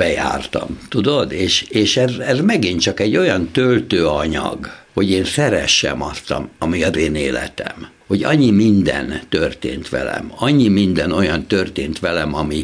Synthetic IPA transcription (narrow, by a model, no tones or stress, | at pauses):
bɛja̰ːrt̪ɒ̰mt̪ud̪od̪eːʃeːʃɛzɛzmɛɡint͡ʃɒkɛɟːo̞jɒnt̪ølt̪øːɒɲɒ̰ɡho̞ɟeːnsɛɾɛʃːɛ̰mɒst̪ɒmɒmiɒzeːneːlɛ̰t̪ɛ̰m | ho̞ɟɒ̰ɲːimind̪ɛ̰nt̪ørt̪ḛːnt̪ʋɛ̰lɛ̰mɒɲːimind̪ɛno̞jɒnt̪ørt̪eːnt̪ʋɛlɛmɒmi